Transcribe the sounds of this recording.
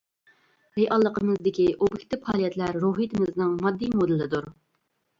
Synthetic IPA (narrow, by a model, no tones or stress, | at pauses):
ɾejʔɑlˠːəqəmɨzd̪ɪkʲiʔobɪkʲt̪ɪphɑːlˠijɛt̪læɾɾoɦit̪ʰɪmɨznɨŋmɑd̪ːijmod̪ɨlɪd̪uɾ